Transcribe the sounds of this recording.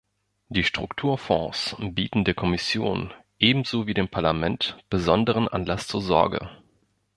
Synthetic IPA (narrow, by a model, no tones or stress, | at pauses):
d̥iːʃtʁ̥ʊktʰuːɐfɔ̃sbiːtn̩deːɐkʰɔmɪsjo̰ːnʔeːbm̩zoːviːdeːmpʰaɐlamɛntb̥əzɔndəʁ̞ənʔa̰nlast͡suːɐzɔ̰ɐɡə̰